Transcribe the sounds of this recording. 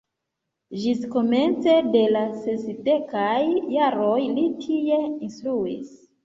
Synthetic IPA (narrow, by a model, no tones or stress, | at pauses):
ʒisko̞me̞nt͡se̞de̞lasesde̞kajːaɾo̞jlitʰie̞instɾuḭs